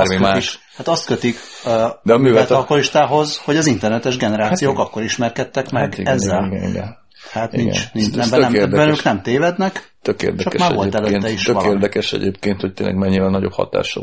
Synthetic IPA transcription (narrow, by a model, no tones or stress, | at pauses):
mimaːiʃhat̪ɒst̪kø̞t̪ikd̪ɛɒmyːvɛlt̪ɒlkoliʃt̪aːɦo̞zho̞ɟɒzint̪ɛrnɛt̪ɛʒɡɛnɛɾaːtsijoːkɒkːo̞ɾiʃmɛrkɛt̪ːɛkmɛɡɡɛzːɛlɡɛnḭɡɛ̰n | haːt̪niɡɛ̰t͡ʃninɛmbɛɛmːbɛnøːknɛmt̪eːvɛd̪nɛkt̪økḛːrd̪ɛt͡ʃɒkmaːrɛo̞lɛløːnːɛiʃøʋɒeːrd̪ɛkɛʃɛ̰ɟeːp̚keːnt̪hoc̚t̪ḛːnlʔɛ̰ɡmɛɲːivɛnɒɟo̞phɒ̰t̪a̰ːʃɒ̰